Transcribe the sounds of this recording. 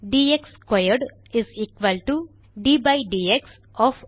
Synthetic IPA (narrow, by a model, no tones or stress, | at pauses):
ɖiːekskwajəɾɖ | ɪziːkʋəlʈu | ɖiːbaɪɖiːeks | ɔːf